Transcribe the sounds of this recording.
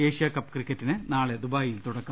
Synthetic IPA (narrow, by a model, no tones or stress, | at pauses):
eːɕjɐkɐpːkrikʲːɐtːinɨnaːɭed̪ubaːjilt̪uɽɐkːɐ